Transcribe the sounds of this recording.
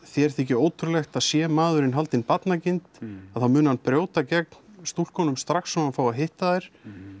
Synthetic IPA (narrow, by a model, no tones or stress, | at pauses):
θjɛɛɾ̥θɛcɪoːwt̪ʰʏɾlɛxt̪aðsjɛmaːðʏɾɪnɦalt̪ɪnpat̪nacɪnt̪aðθawmʏːnʏhanpɾjoːwt̪acɛknst̪ul̥kʰɔnʏmst̪ɾaxsːɔmafawaɦɪht̪aðɛɾ̥